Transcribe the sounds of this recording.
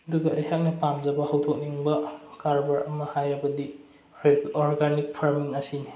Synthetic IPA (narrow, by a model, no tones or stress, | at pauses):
ɐduɡɐɐjɦak̚nɐpamd͡ʒɐbɐhɐwtʰok̚niŋbɐkaɾbɐɾɐmɐhajɐbɐdi | ɔɾɡanik̚pʰaɾmiŋɐsini